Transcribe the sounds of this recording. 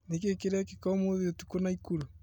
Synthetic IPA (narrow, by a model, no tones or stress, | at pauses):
nekekeɾɛkekɔmoðeotukonaikulu